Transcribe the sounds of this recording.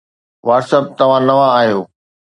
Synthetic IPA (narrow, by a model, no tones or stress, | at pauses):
ʋaːɾsəb̚t̪ɐʋ̤ãnɐʋãaːɦijoː